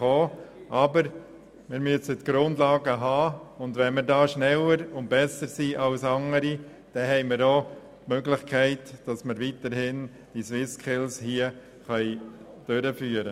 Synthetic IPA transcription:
oːʔɑbəɾ | mɪɾmyəsətɡ̥ɾʊndlɑːɡəɦɑːʊndvɛnməɾdɑːʃnɛləɾʊnt̚b̥ɛsəɾsiːʔɑlsɑŋəɾi | d̥ɛɦɛɪmɪɾoː | tmøɡlɪχkʰɛɪtd̥ɑsməɾʋitəɾhɪn | d̥iswɪskʰɪlshiə | χœɪ | d̥øɾəfyːəɾə

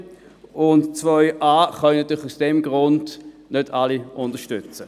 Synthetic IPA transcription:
ʊntt͡svœʏʔaːχœnnɑt̪yːlχusd̥ɛmɡʁʊnd̥ | nød̥aliʔʊndəʃtʏt͡sə

